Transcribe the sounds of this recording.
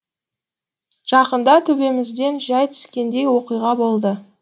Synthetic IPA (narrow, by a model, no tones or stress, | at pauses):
ʒ̥ɑqənd̪ɑt̪ʰʏbe̞mɪzd̪e̞nʒɑjt̪ʰɪ̥skʲe̞nd̪e̞jwo̞qijʁɑbo̞lˠd̪ə